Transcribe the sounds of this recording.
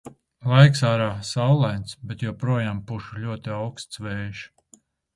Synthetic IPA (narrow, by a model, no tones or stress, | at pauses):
lˠajksaːɾaːsawlˠajnt̪sbɛt̪jɔːpɾuɔjaːmpuʃulʲuɔt̪iawkst̪svɛːʃ